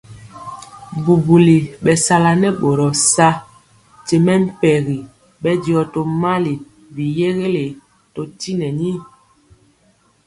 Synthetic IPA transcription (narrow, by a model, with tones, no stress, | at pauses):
bu˨bu˨li˨ɓɛ˨sa˦la˨nɛ˦ɓo˨ɾɔ˨sa˦ | te˨mɛ˦m̩˦pɛ˨ɣi˨ | ɓɛ˦djɔ˨to˨ma˦li˨ | vi˨je˦ɣe˦le˨ | to˨ti˦nɛ˨ni˦